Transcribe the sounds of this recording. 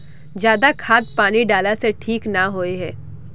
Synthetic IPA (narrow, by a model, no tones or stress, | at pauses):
d͡ʒjaːd̪akʰaːt̪̚paːniɖaːlaseʈʰiːknaɦoːeɦɛː